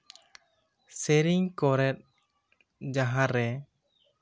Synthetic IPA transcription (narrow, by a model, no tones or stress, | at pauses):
sɛɾiɲkɔɾɛt̪̚ | d͡ʒaɦaɾːɛ